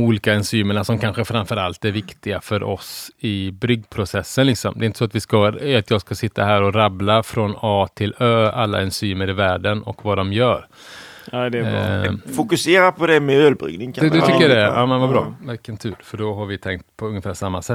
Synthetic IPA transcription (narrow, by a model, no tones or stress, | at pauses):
muːliːkaɛnsyːməɳasɔmkʰanɧəfɾamfœɾalt̪æɾvɪkt̪ɪɡafœɾʔɔ̰sɪbɾʏɡːpʰɾʊsɛsːənlɪksɔmd̪ɛɪnt̪ə̥sɔat̪vɪskaat̪jɑːɡskasɪt̪ʰːa̰ɦæːɾɔɾablafɾɔnɑːt̪ʰɪløːalːa̰ɛnsyːməɾɪvæːɖənɔ̰kvad̪ɔmjœːɾ | d̪ɛ | fʊkɵseːɾapʰɔd̪ɛmɛøːlbɾʏ̰ɡnɪŋkʰd̪ɛɛt̪ʰʏkːəjadɛʔa̰ːmɛnvabɾɑ̰ːvɪkːənt̪ʰʉ̟ːɾfœɖɔɦaɾvɪt̪ʰɛŋkt̪pʰɔɵŋːəfæːʂamːasɛt̪ː